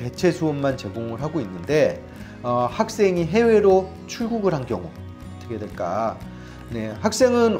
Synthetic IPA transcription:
te̞t͡ɕʰe̞sʰoonmant͡ɕe̞ɡoŋɯɭɦaɡoinːɯnde̞ | ʌhak̚s͈e̞ŋiɦe̞we̞ɾo | t͡ɕʰuɭɡuɡɯɭɦankjʌŋu | ʌt͈ʰʌkʰe̞dwe̞ɭk͈a̰ | ne̞hak̚s͈e̞ŋɯn

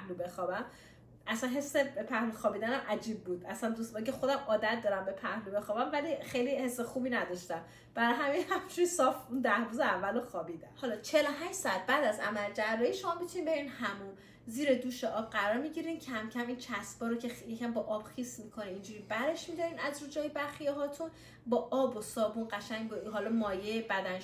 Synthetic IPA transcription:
lube̞xɒbæm | ʔæsænɦe̞sːebepʰæhluxɒːbiːd̪ænæmʔæd͡ʒiːb̚ːuːd̪æsænd̪usmæcʰexo̞d̪æmɒːd̪æt̪̚d̪ɒːɾæmbe̞pʰæhlube̞xɒːbæmvælixejlihe̞sːexuːbinæd̪ɒʃt̪æm | b̥æɾɒjɦæminhæmʃusɒfund̪æhbuzeævːæloxɒːbiːd̪æmhɒlɒt͡ʃʰe̞loɦæʃd͡ʒsɒæt̪̚bæːd̪æzæmæld͡ʒæɾːɒiːʃo̞mɒbit̪ʰuniːnbe̞ɾiːnhæmun | ziːɾed̪uːʃeʔɒb̚ɢæɾɒːɾmiɟiɾincʰæmcʰæmiːncʰæsb̥ɒːɾocʰejecʰæmbɒʔɒb̥xismikʰo̞niind͡ʒuɾiːbæɾe̞ʃmid̪ɒɾiːnæzɾud͡ʒɒːjebæɾxijɒɦɒːt̪ʰun | bɒːʔɒːbosɒːbunɢæʃæɲbeɦɒlɔmɒːjejbæd̪æn

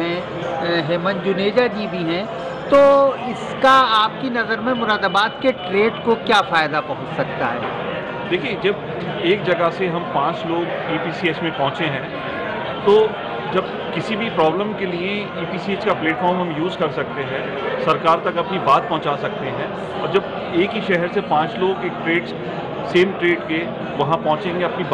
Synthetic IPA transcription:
ɦɛ̃ | ɦeːmənd͡ʒʊneːd͡ʒad͡ʒibʱiɦɛ̃ | t̪oːɪskaaːp̚kinɐzəɾmẽmʊɾaːd̪əbaːt̪̚keʈɾeːɖkokjaːfaːjd̪apɐɦʊ̃t͡ʃsɐk̚t̪a̰ɦɛ̰ː | d̪eːkʰied͡ʒɐb | eːk̚d͡ʒɐɡaseɦɐmpãːt͡ʃloːɡ | iːpiːsiet͡ʃmẽpɐ̃ɦʊ̃t͡ʃeɦɛ̃ː | t̪oː | d͡ʒɐb | kɪsibʱipɾɔːbləmkelie | iːpiːsieːt͡ʃkapleːʈfʰɔːɾmɦɐ̃mjuːzkɐɾsɐk̚t̪eɦɛ̃ | sɐɾkaːɾt̪ɐkɐpnibaːt̪̚pɔɦʊ̃t͡ʃasɐkt̪eɦɛ̃ː | ɔːɾd͡ʒɐb | eːkɦiʃɛɦɛɾsepãːt͡ʃloːɡeːk̚ʈɾeːɖ | seːmʈɾeːɖke | ʋɐɦãpɐɦʊ̃t͡ʃẽːŋɡeɐpnib

